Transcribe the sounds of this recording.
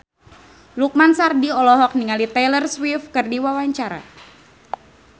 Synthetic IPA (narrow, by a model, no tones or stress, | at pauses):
luk̚mansardiɔlɔɦɔk̚niŋalit̪ɛlərswifkɨrdiwawaɲt͡ʃaɾa̰